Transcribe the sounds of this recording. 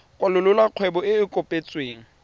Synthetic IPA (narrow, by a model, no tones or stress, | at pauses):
kʼwalʊlʊlaq͡χʰwɛbɔɪɪkʼʊpʼet͡sʼweːŋ̩